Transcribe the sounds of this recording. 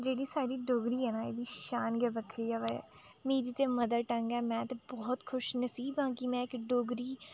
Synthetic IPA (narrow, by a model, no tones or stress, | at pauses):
d͡ʒeːɽiːsaːɖiːɖoːɡɾiːɦɛːnaːḛːd̪iːʃaːnɡɛːbəkʰɾiːɛːʋɛmĩːd̪iːt̪eːməd̪əɾʈəŋɡɛːmɛ̃ːt̪ebɔːt̪kʰʊʃnəsiːbãːkimɛ̃ːɪkɖoːɡɾiː